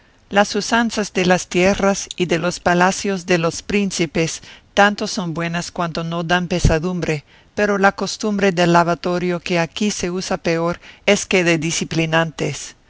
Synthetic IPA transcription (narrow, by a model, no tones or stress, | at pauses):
lasusansazðelast̪jerasiðelo̞spalasjozðelo̞spɾinsipest̪ant̪oso̞nbwe̞naskwant̪ono̞d̪ampesaðumbɾe | peɾolako̞st̪umbɾe̞ðelːaβat̪o̞ɾjokeakise̞usapeoɾeskeðeðisiplinant̪es